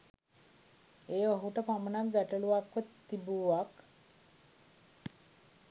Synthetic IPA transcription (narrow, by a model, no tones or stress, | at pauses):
eːʋəɦuʈəpamənakɡæʈəɭuʋakːot̪ː | ibuʋak